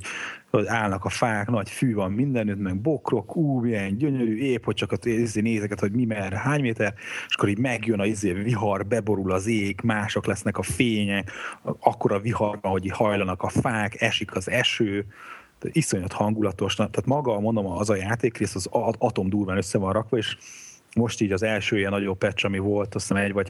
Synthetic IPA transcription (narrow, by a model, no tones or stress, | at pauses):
oɟaːlnɒkɒfaːknɒcfyːvɒmmind̪ɛnyt̪mɛɡ̚bo̞kro̞kuːmiɛɲɟøɲøɾyːeːphoc̚t͡ʃɒkːizeːneːzɛkɛt̪ho̞ɟmimɛɛɾɛɦaːɲmeːt̪ɛɾeʃɒ̥kːoɾiːɟmɛɡjønɒizeːviɦɒrbɛbo̞ɾulɒzeːɡmaːʃo̞klɛsnɛkɒfeːɲɛkɒkːo̞ɾɒviɦɒrbɒnɦo̞ɟihɒjlɒnɒkɒfaːkɛʃikʰɒzɛʃøː | iso̞ɲɒt̪hɒŋɡulɒt̪o̞ʃnt̪aːt̪mɒɡɒmo̞nd̪omːzɒjaːt̪eːkreːst̪ɒzɒt̪o̞md̪uːrvaːnøsːɛvɒnrɒkʋɒeːʃ | mo̞ʃt̪iːɟɒzɛlʃøːijɛnːɒɟo̞bɛt͡ʃɒmivo̞lt̪osɛmɛɟvɒɟ